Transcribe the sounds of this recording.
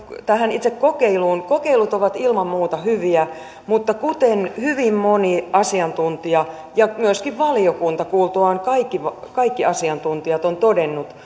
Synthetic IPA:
t̪æhænit̪sekkokeiluːnkokeilut̪oʋɑt̪ilmɑmmuːt̪ɑhyʋiæ | mut̪ːɑkut̪enhyʋimmoniʔɑsiɑnt̪unt̪iɑ | jɑmyøskiʋʋɑliokunt̪ɑkuːlt̪oɑnkɑikːiʋɑ | kɑikːiʔɑsiɑnt̪unt̪iɑt̪ont̪odenːut̪

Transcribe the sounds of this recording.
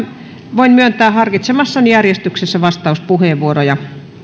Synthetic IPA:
ʋoinmyønt̪æːhɑrkit̪semɑsːɑnijærjest̪yksesːæʋɑst̪ɑˑuspuheˑʋʋuorojɑ

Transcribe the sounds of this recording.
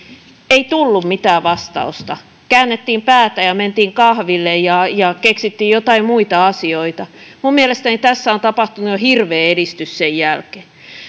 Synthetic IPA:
eit̪ulːummit̪æːʋɑst̪ɑ̰ust̪ɑ | kæːnːet̪ːiːmpæːt̪æjɑment̪iːŋkɑhʋilːejjɑjɑkeksit̪ːiːjjot̪ɑimmuit̪ɑɑsioit̪ɑmummiælest̪ænit̪æsːæont̪ɑpɑht̪unujohirʋeːeɾist̪yssejjælkeː

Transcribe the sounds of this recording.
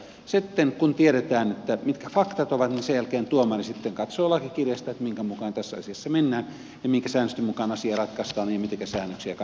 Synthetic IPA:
sit̪ːeŋkunt̪ieɾet̪æːnet̪ːæmit̪kæfɑkt̪ɑt̪oʋɑt̪ninsejælkeːnt̪uomɑrisit̪ːeŋkɑt̪soːlɑkekirjɑst̪ɑet̪miŋkæmukɑːnt̪æsːæɑ̰siɑsːɑmenːæːn | jɑmiŋkæsæːnːøst̪ymukɑnɑsiɑrɑt̪kɑst̪ɑːnjɑmit̪eŋkæsæːnːøksiækɑ

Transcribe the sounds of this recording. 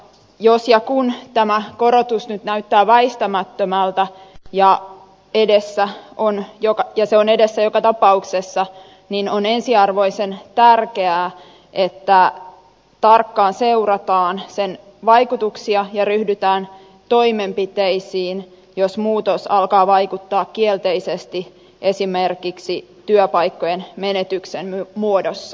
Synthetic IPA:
josjɑkunt̪æmækoɾot̪usnyt̪næyt̪ːæːʋæist̪æmæt̪ːømælt̪æjɑ | edesːæonjokɑjɑseonedesːæjokɑt̪ɑpɑuksesːɑ | ninonensiɑrʋo̞isent̪ærkeæː | ʔet̪ːæ | t̪ɑrkːɑːnseurɑt̪ɑːnsen | ʋɑikut̪uksiɑjɑryhdyt̪æːn | t̪oimempit̪eisiːn | josmuːt̪osɑlkɑːʋɑikut̪ːɑːkkielt̪eisest̪i | ʔesimerkiksit̪yøpɑikːojenmenet̪yksemmymuodosːɑ

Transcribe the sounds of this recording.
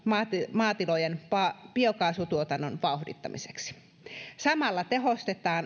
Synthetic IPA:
mɑmɑːt̪ilojenpɑpiokɑːsut̪uot̪ɑnːonʋɑuhdḭt̪ːɑmʔise̥ksi̥ | sɑmɑlːɑt̪e̞ɦost̪et̪ɑːn

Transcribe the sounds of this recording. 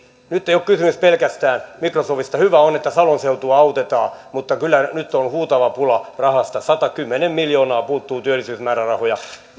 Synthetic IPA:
nyt̪ːeijokkysymyspelkæst̪æːnmikrosoːʋist̪ɑhyʋæonet̪ːæsɑlonseut̪uɑɑut̪et̪ɑːmut̪ːɑkylːˑænyt̪ːonhuːt̪ɑʋɑpulɑrɑhɑst̪ɑsɑt̪ɑkymːenemmiljoːnɑːpuːt̪ːuːt̪yølːisyːsmæːrærɑhojɑ

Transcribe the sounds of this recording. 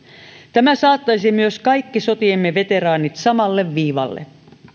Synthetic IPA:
t̪æmæsɑːt̪ːɑjsimyøskɑjkːiso̞t̪iemːeʋe̞t̪e̞ɾɑːnit̪sɑmɑlːe̞ʋːiːʋɑ̰lːḛ

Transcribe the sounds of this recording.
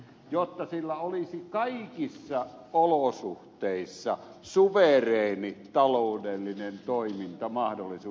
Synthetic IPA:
jot̪ːɑsilːæolisikɑikisːɑ | olosuht̪eˑisːɑ | suʋereˑinit̪ɑloˑːdelːinent̪oimint̪ɑmɑhdolːˑisuː

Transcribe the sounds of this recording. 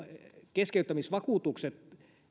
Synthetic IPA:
keskeyt̪ːæmisʋɑkuːˑt̪ukset̪

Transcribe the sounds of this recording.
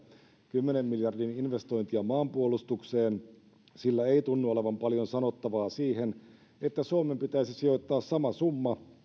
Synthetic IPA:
kymːene̞mːiljɑrdininʋe̞st̪o̞jnt̪iɑmɑːmpuolust̪ukseːn | silːæeit̪unːuoleʋɑmpɑljo̞nsɑno̞t̪ːɑʋɑːsiːɦen | et̪ːæsuomempit̪æisisio̞t̪ːɑːssɑmɑsumːɑ

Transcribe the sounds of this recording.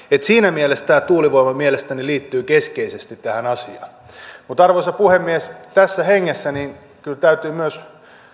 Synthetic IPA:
et̪siːnæmielest̪æːt̪uːliʋoimɑmielest̪æniliːt̪ːyːkeskeisest̪it̪tæhænɑsiɑ̰ːn | mut̪ɑrʋoisɑpuhemːiest̪æsːæheŋːesːæniːn | kylt̪æyt̪yːmyøs

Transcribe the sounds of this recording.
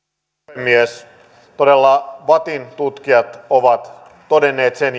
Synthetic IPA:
emːies | t̪o̞delːɑʋɑt̪int̪ut̪k̟iɑt̪oʋɑt̪ː | o̞denːe̞ːt̪sen

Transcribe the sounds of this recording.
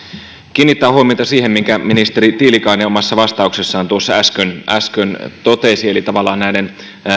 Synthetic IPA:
k̟iːnːit̪ːæːhuomiojt̪ɑsiːhemmiŋkæminist̪eɾit̪iːlikɑineomɑsːɑʋɑst̪ɑuksesːɑːnt̪uosːɑæskønʔæskønt̪ot̪esielit̪ɑʋɑlːˑɑːnnæiden

